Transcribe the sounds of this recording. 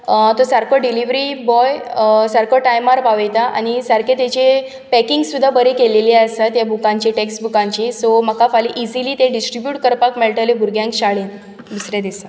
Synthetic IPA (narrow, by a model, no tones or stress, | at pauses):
t̪osaɾkʰoɖiliʋɾibɔjsaɾkʰoʈajmaɾpaʋejt̪aʔa̰ñisəɾkʰet̪et͡ɕe | pɛkiŋɡsːud̪ʱːabəɾekeleliasat̪jabʱukãɲt͡ɕiʈeksʈbukãɲt͡ɕisoməkafaliʔid͡ziliːt̪ẽɖisʈɾibjuʈkəɾpakmeɭʈ̪əlebʱuɾɡjãŋkɕaɭen | d̪isɾẽd̪isa